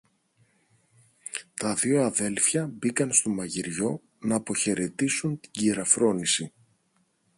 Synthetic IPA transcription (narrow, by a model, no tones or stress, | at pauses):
t̪ɐðio̞ɐðe̞lfçɐbikɐnst̪o̞mɐʝiɾʝo̞ | nɐːpo̞çe̞ɾe̞t̪isunt̪i̥ɟiɾɐfɾo̞nisi